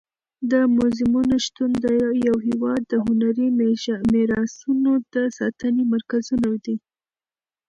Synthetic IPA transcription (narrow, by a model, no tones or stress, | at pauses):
d̪əmʊzɪmunoʃt̪und̪jawɦɪwɑd̪ːəɦʊnaɾimmeɾɑsunod̪əsɑ̰t̪ənemaɾkazunawd̪i